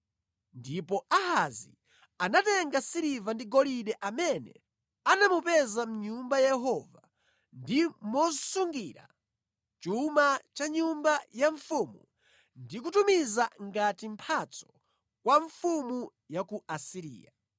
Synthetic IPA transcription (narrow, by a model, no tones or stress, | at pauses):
ndipɔʔahazi | anatɛŋɡasiɾivandiɡɔliɗɛʔamɛnɛ̰ | anamupɛzam̩ɲumbajɛɦɔva | ndimɔsuŋɡiɾa̰ | t͡ʃumat͡ʃaɲumbajaɱfumu | ndik̬utumizaŋɡatimpʰat͡sɔ̥ | kwaɱfumu | jakuasiɾḭːja